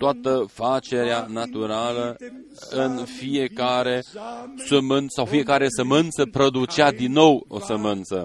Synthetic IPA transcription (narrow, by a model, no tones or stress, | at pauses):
t̪oat̪əfat͡ʃe̞ɾeanat̪uɾalə | ɨnfijekaɾe̞səmɨnsawfije̞kaɾe̞səmɨnt̪səpɾo̞d̪ut͡ʃad̪inːo̞wo̞̰səmɨnt̪sə̰